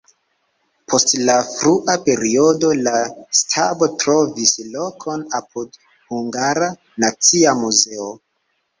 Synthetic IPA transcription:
pʰo̞stlafɾuʔape̞ɾio̞do̞lastʰabotɾo̞vislo̞kʰo̞nap̚ʰud | huŋɡaɾa | nat͡siamuze̞o

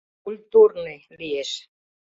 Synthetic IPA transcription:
kulʲt̪urnelieʃ

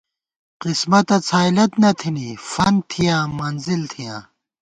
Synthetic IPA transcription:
qismɐt̪ɐt͡sʰaːilɐt̪nɐt̪ʰinifɐnt̪ʰijãːmɐnzilt̪ʰijã̰ː

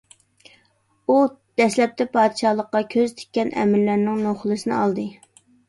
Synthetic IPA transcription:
u | d̪̥ɛslɛp̚t̪ʰɛpʰɑːd̪ʃɑlˠəqːɑkʲʰøzt̪ʰɪ̥k̚ʲːɛnʔɛ̰mɪɾːæɾnɪŋnoχlˠɨsɨnɨ̰ɑlˠd̪ɨ

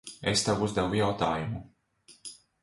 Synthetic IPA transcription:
est̪awuzd̪ɛvujawt̪aːjumu

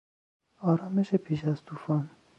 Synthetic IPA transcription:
ɒːɾɒːmeʃepʰiːʃæz̥t̪ʰuːfɒːn

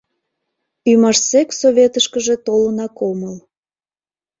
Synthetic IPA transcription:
ymɑʃseksoβʲet̪əʃkəʒe̽t̪olənɑkoməl

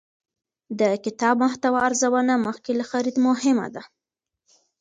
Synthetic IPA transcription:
d̪əkɪt̪ɑbmʊht̪awaaɾzawənaməxkelaxaɾid̪mʊhɪma̰d̪a

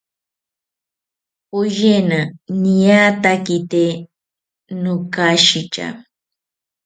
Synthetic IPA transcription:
pʊʒenanijat̪akit̪e | nʊkaʃit͡ʃa̰

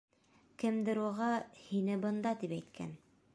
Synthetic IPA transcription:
kɘ̆md̪ɘ̆ɾuʁɑhinɘbɤ̆nd̪ɑt̪ipæjt̪̚kʰæ̰n

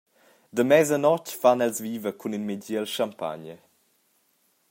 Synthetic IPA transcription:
d̪əmɛzənɔcfanɛlzviːvəkʰuninmiɟiəlʃampa̰ɲə

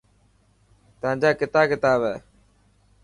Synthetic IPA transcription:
t̪əãːɲd͡ʒaːkɪt̪aːkɪt̪aːbɛː

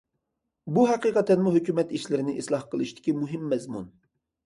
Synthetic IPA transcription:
buɦæqiqɑt̪ːɛnmuɦøkʲymɛt̪iʃlɪɾɪnɪʔislˠɑhqʰəlˠɨʃt̪ʰɪ̥kʲimuɦɪmːɛzmun

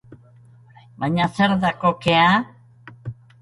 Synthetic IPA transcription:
baɲaseɾðako̞kea

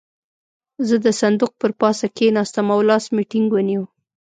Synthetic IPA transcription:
zəd̪əsand̪uq̚pəɾpɑsakenɑst̪amawlɑsmiʈɪŋɡwəniw

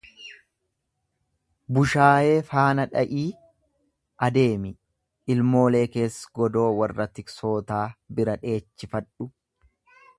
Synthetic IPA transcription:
bʊʃaːje̞ːfaːnɐᶑɐʔiː | ʔɐd̪e̞ːmɪ | ʔɪlmo̞ːle̞ːke̞ːsɡɔd̪o̞ːwɐrːɐt̪ɪkso̞ːt̪aːbɪɾɐᶑe̞ːt͡ʃːɪfɐᶑʊ

